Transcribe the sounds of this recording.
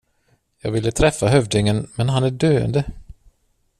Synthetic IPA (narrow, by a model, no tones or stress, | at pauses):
jɑ̰ːɡvɪlːət̪ʰɾɛfːaɦœvd̪ɪŋənmɛnɦanæɖøːə̰nd̪ə